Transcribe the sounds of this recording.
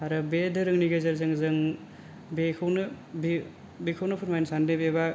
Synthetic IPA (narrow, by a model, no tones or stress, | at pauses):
aɾɯbedɯɾɯŋniɡazaɾzɯŋzɯŋ | bekʰɯwnɯ | bi | bikʰɯwnɯpʰɯɾmajnsandebeba